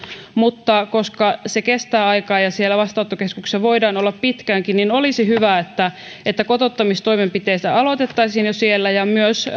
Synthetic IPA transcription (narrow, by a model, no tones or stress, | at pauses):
mut̪ːɑkoskɑsekest̪æːɑikɑːjɑsielːæʋɑst̪ɑot̪ːokeskukseʋoidɑːnolːɑppit̪kæŋkinninolisihyʋæet̪ːæ | et̪ːækot̪ot̪ːɑmist̪oimempit̪eist̪æɑlot̪et̪ːɑisinjosielːæjɑmyøs